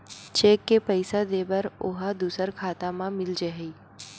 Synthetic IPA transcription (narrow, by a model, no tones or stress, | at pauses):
t͡ʃeːkːepəɪsad̪eːbəɾo̰ɦad̪uːsəɾkʰaːt̪amãmɪld͡ʒeɦi